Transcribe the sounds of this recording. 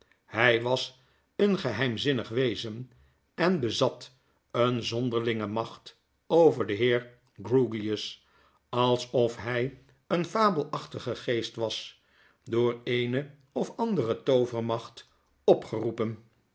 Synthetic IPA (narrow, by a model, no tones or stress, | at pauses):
hɛjʋɑs | ənχəɦɛjmzɪnəχʋejzən | ɛnbəzɑt | ənzɔndəɹlɪŋəmɑχt | owvəɹdəɦɪːɹ | ɡruɡiəs | ɑlˠsɔfɦɛj | ənfaːbəl̩ˠɑχtəχəχejstʋɑs | dʊːɹejnə | ɔfɑndərətowvəɹmɑχt | ɔpχərupən